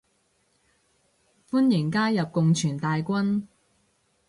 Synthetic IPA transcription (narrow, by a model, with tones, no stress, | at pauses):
fuː˥njɪ˨˩ŋkaː˥jɐ˨p̚kʊ˨ŋt͡ʃʰyː˨˩nt̪aː˨jkʷɐ˥n